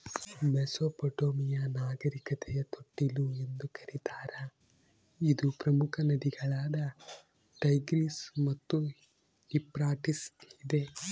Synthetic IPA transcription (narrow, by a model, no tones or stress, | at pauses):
bɛsopɐʈoːmijɐnaːɡɐɾikɐt̪ʰɛjɐt̪ʰoʈːilue̞nd̪ukʰɐɾit̪aːɾɐ | id̪upɾɐmukʰɐnɐd̪iɡɐɭaːd̪ɐ | ʈɐjɡɾismɐt̪ːu | ipɾaːʈisid̪e̞